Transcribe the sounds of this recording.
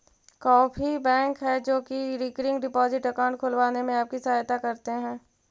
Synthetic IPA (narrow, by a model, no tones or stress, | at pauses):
kɔːpʰibɛ̃ːŋkɦɛd͡ʒoːkiɾiːkɾɪ̃ŋɡɖɪpɔːzɪʈəkaʊ̃ɳʈ̚kʰʊlʋaːnemẽaːp̚kisɐːjt̪akɐɾt̪eɦɛ̃ː